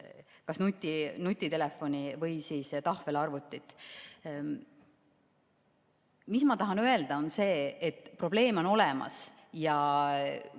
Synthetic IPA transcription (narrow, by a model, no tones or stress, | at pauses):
kɑsnut̪ʲːˑinut̪ʲːˑit̪e̞lefo̞nʲivɤjsiːst̪ɑhvelɑrvut̪ːˑit̪ːˑ | mismɑt̪ɑɦɑnøe̞ld̪̥ɑo̞nse̞ːet̪ːˑpro̞b̥le̞ːmo̞no̞lɛmɑ̰s | jɑ